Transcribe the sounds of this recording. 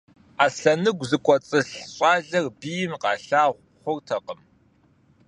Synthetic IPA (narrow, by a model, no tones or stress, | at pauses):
aːsɬɐnɨɡʷzɨkʷʼɔt͡sʼɨɬɕʼɑːɮɐrbijɪmqɑːɬaːʁʷ | χʷʊrtʰɐqəm